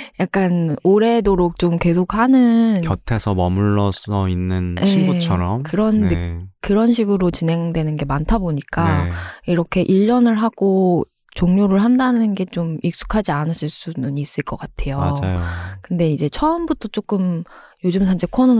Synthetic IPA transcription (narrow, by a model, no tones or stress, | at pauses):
jak̚k͈anoɾe̞doɾok̚t͡ɕ͈omke̞sʰok̚hanɯnʌtʰesʰʌmʌmuɭːʌsʌinːɯnjʔeiut͡ɕʰʌɾʌmkɯɾʌnekɯɾʌnɕʰiɡɯɾot͡ɕinɦe̞ŋdwe̞nɯnɡe̞mantʰaboɲik͈aiɾʌkʰe̞ʔiʎːʌnɯɭɦaɡ̥o | t͡ɕoŋɲoɾɯɭɦandanɯnɡe̞t͡ɕomik̚s͈u̥kʰad͡ʑianɯɕʰiɭs͈unuɲiːs͈ɯɭk͈ʌk͈atʰe̞joad͡ʑajokɯnde̞id͡ʑe̞t͡ɕʰʌɯmbutʰʌt͡ɕ͈ok͈ɯmjod͡ʑɯmsʰand͡ʑʰekʰono